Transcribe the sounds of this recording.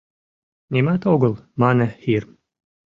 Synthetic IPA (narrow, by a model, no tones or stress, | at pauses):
nʲimɑt̪oɣəlˠmɑnəxir